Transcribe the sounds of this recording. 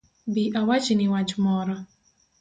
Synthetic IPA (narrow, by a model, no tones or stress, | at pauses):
biʔawat͡ʃiniwad͡ʒmɔɾɔ